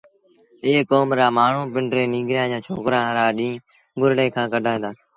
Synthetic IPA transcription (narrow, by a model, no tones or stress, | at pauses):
eːkoːmɾaːmaːɳ̤ũːpɪɳɖɾeːniːɡɾɪjãːd͡ʒãːt͡ʃʰo̰ːkɾãːɾaːɗĩː | ɡʊɾɽeːkʰãːkəɗʱaːɦẽːd̪aː